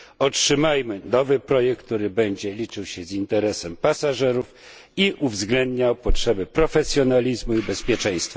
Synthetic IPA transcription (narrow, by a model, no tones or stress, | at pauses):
ɔtʂɘmajmɘnɔvɘpɾɔjɛk̚k̚ːt̪uɾɘbɛɲd͡ʑɛlʲit͡ʂɘwɕɛzint̪ɛɾɛsɛmpasaʐɛɾuf | iʔuvzɡlɛnd̪ɲawpɔtʂɛbɘpɾɔfɛsʲjɔnalʲizmuibɛspʲjɛt͡ʂɛ̃j̃st̪fa